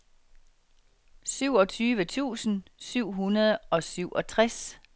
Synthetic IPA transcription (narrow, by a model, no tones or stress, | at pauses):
syʊ̰ɒ̽t͡sʰyːʋət͡sʰṵːsn̩syʊ̰ɦunɐðˠəɒ̽syʊ̰ʔɒ̽t͡sʰʁas